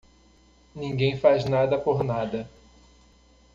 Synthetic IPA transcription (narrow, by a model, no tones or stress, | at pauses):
nĩŋɡẽj̃fajznad̪ɐpoɾnad̪ɐ